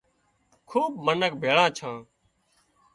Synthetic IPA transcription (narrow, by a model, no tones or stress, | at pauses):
kʰuːbmənək̚bʱeːɭãːt͡ʃʰãː